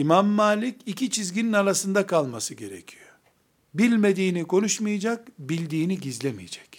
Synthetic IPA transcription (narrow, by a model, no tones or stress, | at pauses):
imamːaːlʲicicʰit͡ʃʰizɟʲininalˠasɯnd̪akʰalˠmasɯɟe̞ɾe̞̰cʰijo | bilʲme̞d̪iːnikʰo̞nuʃmɯjad͡ʒak̚bilʲd̪iːniɟizlʲemḭjid͡ʒɛ̥c